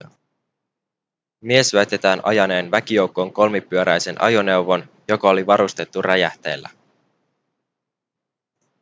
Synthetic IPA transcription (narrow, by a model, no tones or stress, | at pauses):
mie̞sæjt̪e̞t̪æːnʔɑ̰jɑne̞ːnʋækijo̞wkːo̞ŋko̞lmipːyøɾæjse̞nʔɑ̰jone̞uwʋo̞n | jo̞kɑoliʋɑɾust̪e̞t̪ːuræjæht̪e̞̰ːlːæ̰